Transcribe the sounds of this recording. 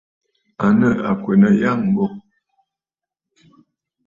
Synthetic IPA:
a˨nə˦˨a˨kwe˨nə˦˨ja˦˨ŋ˦bɔ˦˨

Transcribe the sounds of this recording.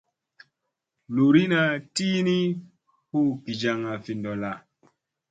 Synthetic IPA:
lu˨ɾi˦na˨ti˦ni˦ | hu˦ki˨d͡ʒa˨ŋa˨fi˨ndɔ˨la˨

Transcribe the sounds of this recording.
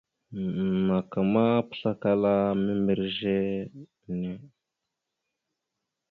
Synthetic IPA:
ma˨ka˨ma˦pə̥˦˨ɬa˦ka˦la˦mi˦mbə˨ɾʒe˦ | ne˦

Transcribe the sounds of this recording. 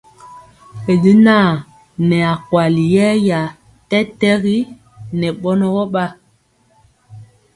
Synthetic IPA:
e˨li˦naː˦˨ | nɛ˨a˨kwa˨li˨jɛ˦ja˨ | tɛ˦tɛ˦ɣi˦ | nɛ˨ɓɔ˦nɔ˦ɣɔ˦ɓa˦

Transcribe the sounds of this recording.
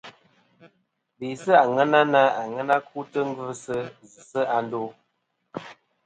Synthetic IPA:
be˨sə˦a˨ŋə˦na˦na˦a˨ŋə˦na˦k̚u˦tə˦ŋ˦ɡə˦sə˦zɨ˨sə˦a˨n˦do˦

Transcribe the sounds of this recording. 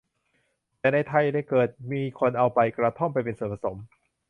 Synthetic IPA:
t̪ɛː˨˩na˧jt̪ʰa˧jda˥˩jkɤː˨˩t̪̚miː˧kʰo˧nʔa˧wpa˧jkɾa˧t̪ʰo˥˩mpa˧jpe˧nsoː˨˩˦pʰa˧˩so˩˦m

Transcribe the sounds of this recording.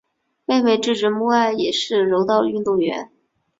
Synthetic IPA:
pe˥˧nwe˥˧ɪʈ͡ʂɻ̩˥˩ʈ͡ʂɻ̩˧˥mu˥˧a˥˩ɪjɛ˨˩ʂɻ̩˥˩ɻo˧˥ʊt̪ɑ˥˧ʊy˥˧nt̪u˥˩ɥɛ̰˧˥n

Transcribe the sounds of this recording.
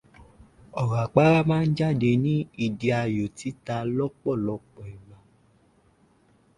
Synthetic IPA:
ɔ˨ɣa˨k͡pa˦ɾa˦mãː˦˧n̩˦d͡ʒa˦˨de˧nĩ˦i˧di˧a˧jo˨ti˨˦ta˧lɔ˦k͡pɔ˦˨lɔ˨˦k͡pɔ˨i˨mã˨˧˦

